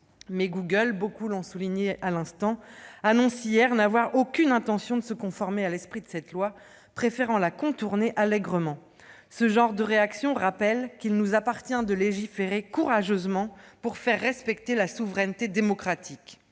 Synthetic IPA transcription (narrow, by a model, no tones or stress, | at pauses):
mɛɡuɡəlbokulɔ̃suliɲealɛ̃st̪ɑ̃anɔ̃sijɛʁnavwaʁokʲynɛ̃t̪ɑ̃sjɔ̃d̪əsəkɔ̃fɔʁmealɛspχid̪əsɛt̪lwa | pχefeʁɑ̃lakɔ̃t̪uʁneʔalɛɡʁəmɑ̃ | səʒɑ̃ʁd̪əʁeaksjɔ̃ʁapɛlkilnuzapaʁt̪jɛ̃d̪əleʒifeʁekuʁaʒøzmɑ̃puʁfɛʁːɛspɛkt̪elasuvʁɛnt̪ed̪emɔkχat̪ʰik